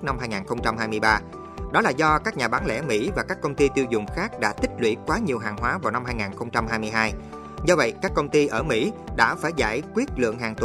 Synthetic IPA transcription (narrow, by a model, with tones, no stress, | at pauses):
na˧mɦaː˧jŋaː˨˩nxə˧wŋ͡mt͡ɕa˧mhaː˧jmɨ˧jɓaː˧ | ɗɔ˨˦laː˨˩zɔ˧kaː˦˥k̚ɲaː˨˩ɓaː˨˦ŋlɛ̰˧˥mḭ˧˥vaː˨˩kaː˦˥kːə˧wŋ͡mt̪i˧t̪i˧wzʊ˨˩ŋ͡mxaː˦˥k̚ɗa̰ː˧˥t̪ï˦˥k̟̚lwḭ˧˩˥kwaː˨˦ɲi˨˩əwɦaː˨˩ŋɦwaː˨˦vaː˨˩wna˧mhaː˧jŋaː˨˩nxə˧wŋ͡mt͡ɕa˧mɦaː˧jmɨ˧əjɦaː˧j | zɔ˧və̰˧˨jkaː˦˥kːə˧wŋ͡mt̪i˧ʔəː˧˩mḭ˧˥ɗa̰ː˧˥faː˧˩jza̰ː˧˩jkwi˦˥ət̚lɨ̰˧˨əŋɦaː˨˩ŋt̪u˧˨